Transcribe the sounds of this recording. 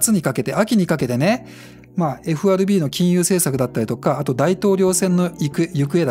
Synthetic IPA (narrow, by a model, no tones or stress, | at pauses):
t͡sɨɲ̟ikake̞t̪e̞ʔakʲiɲ̟ikake̞t̪e̞ne̞ | maːe̞ɸɯ̟aɾɯ̟bʲiːno̞kʲĩɰ̃jɯːse̞ːsakɯ̟d̪at̪ːaɾʲit̪o̞kaːt̪o̞d̪ait̪o̞ːɾʲo̞ːsẽ̞nːo̞ik̟jɯ̟kɯ̟e̞d̪